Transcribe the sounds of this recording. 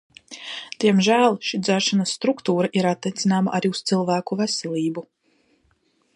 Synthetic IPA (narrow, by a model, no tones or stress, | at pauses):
d̪̥iɛmʒæːlˠʃid̪zæɾʃanɐsːt̪ɾukt̪uːɾaʔiɾat̪ːɛjt̪sinaːmaʔaɾiust̪ilˠvæːkuvɛsɛlʲˠiːbu